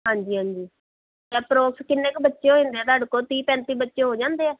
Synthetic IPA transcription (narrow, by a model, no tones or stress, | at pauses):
ɦãːɲd͡ʒiːɦãːɲd͡ʒiː | jɛːpɾoːkskɪnːeːkbətːʃeːɦoːẽːnd̪eːɛːt̪əɖkoːt̪iːpɛ̃ːnt̪iːbətːʃeːɦoːd͡ʒãːnd̪eːɛː